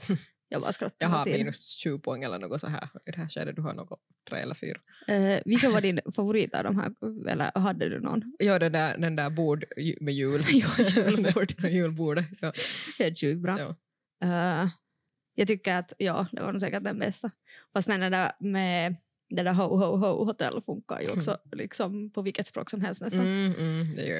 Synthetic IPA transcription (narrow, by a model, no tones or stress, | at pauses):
jɑbɑ̰ːskɾɔt̪ːɦɑmːiːnʉsɕʉːpʰɔɛŋːɛlːə̰ɾno̰ːɡɔsɔɦæ̰ːɾd̪ɛhæːɕɛ̰d̪ːəd̪ʉɦɑ̰no̰ːɡɔ | t̪ʰɾḛːɛlːəɾfy̰ːɾa | vɪlkːənʋɑːdɪnfavʊɾiːt̪ɑ̰vd̪ɔmɦæ̰ːɾɛ̰lːə̰ɾɦad̪ːəd̪ʉ̰nɔ̰njɑːd̪ɛnd̪æːɾd̪ɛnd̪æːɾbuːɖmɛjʉːljɑːʉːlbuːɖjʉːlbuːɖəjɑheːt̪ʉːt̪̚bɾɑː | jɑːɡt̪ʏkːəɾat̪jɑːd̪ɛ̰va̰nuːs̬ɛːkəʈ̚d̪ɛnbɛst̪afast̪nɛnɛd̪æɾmɛ | d̪ɛd̪æɾɦoɦoʊɦoʊɦʊt̪ʰɛlːfɵŋkːa̰ɾjʉ̰ɔksɔlɪ̰ksɔmpʰɔvɪlkːət̪spɾo̰ːksɔmɦɛlst̪nɛsad̪ɛ̰j̰